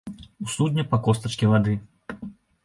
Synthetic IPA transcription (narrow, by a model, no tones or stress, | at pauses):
usud̪ʲnʲɛpɐkɔst̪ɐt͡ʂkʲivad̪ɨ